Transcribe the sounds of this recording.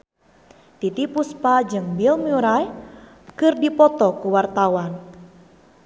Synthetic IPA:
t̪it̪ipuspad͡ʒɨŋbilmiuɾaj | kɨrdipɔt̪ɔkuwart̪awan

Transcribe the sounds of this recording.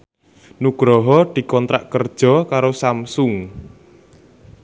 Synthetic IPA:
nuɡ̥ɾɔɦɔd̪̥i̤kɔnt̪ɾa̰ʔkərd̥ʒ̥ɔ̤kaɾosamsʊŋ

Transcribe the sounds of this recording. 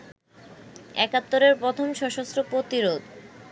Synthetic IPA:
ɛkat̪ːoɾeɾpɾot̪ʰomʃɔʃost̪ɾopɾot̪iɾod̪

